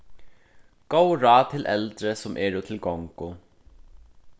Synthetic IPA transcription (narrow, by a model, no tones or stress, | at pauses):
ɡowɹaːt̪ʰɪlʔɛlt̪ɾəsʊmʔɛːɹʊt̪ʰɪlɡɔŋkʊ